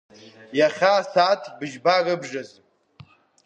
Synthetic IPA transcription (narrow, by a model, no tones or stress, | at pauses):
jaχʲaːsatʰbɨʒbarɨbʐaz